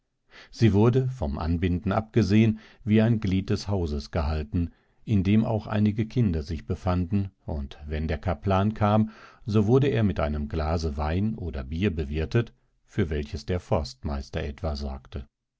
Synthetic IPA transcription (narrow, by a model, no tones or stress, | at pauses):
z̥iːvʊɐdəfɔmʔa̰nbɪndn̩ʔa̰p̚ɡ̥əzeːən | viːaɪnɡliːt̚d̥ɛshaʊzəsɡ̥əɦaltn̩ | ʔɪndeːmʔa̰ʊxʔa̰ɪnɪɡəkʰɪndɐzɪçb̥əfandn̩ʔʊntvɛndeːɐkʰaplaːnkʰaːmzovʊɐdəeːɐmɪtʔaɪnəmɡlaːzəvaɪnʔoːdɐbiːɐbəvɪɐtət | fyːɐvɛlçəsd̥eːɐfɔɐstmaɪstɐʔɛtv̥azɔ̰ɐktʰə